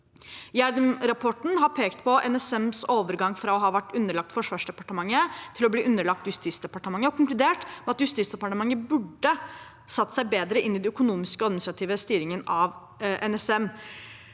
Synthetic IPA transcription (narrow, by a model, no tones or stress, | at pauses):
jæɾd̪mɾɑpʰɔʈɳ̩ɦɑɾpʰeːkt̪pʰɔʔɛnɛsɛmsoːʋəɾɡɑŋːfɾɑɔɦɑːʋæʈːʉnːəɭɑk̚t̪fɔʂʋɑːʂɖ̪ɛpɑʈəmɑŋːət̪ʰɪlɔbliːʔʉnːəɭɑk̚t̪jʉst̪iːsd̪ɛpɑʈəmɑŋːəɔkʰʊŋklʉd̪eːʈmɛɑt̪jʉst̪iːt̪sd̪ɛpɑʈəmɑŋːəbʉɖːə | sɑt̪ːə̥sæɪbeːd̪ɾəʔɪnːɪd̪ɛœkʊnuːmɪskəɔɑd̪nɪsɾɑt̪ʰiːʋəst̪yːɾɪŋənɑʋ | ʔɛnɛsɛm